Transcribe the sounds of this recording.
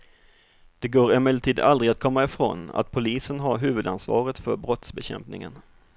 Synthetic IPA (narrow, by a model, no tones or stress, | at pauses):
d̪̥ɛɡoːɾɛmɛlt̪ʰiːd̪ald̪ɾɪɡat̪̚kʰɔmːaɪfɾo̰ːna̰t̪̚pʰʊliːsənɦaɾɦʉ̟ːvɵd̪ansvɑ̰ːɾət̪fœɾbɾɔt̪sbɛɕɛ̰mpnɪ̰ŋə̰n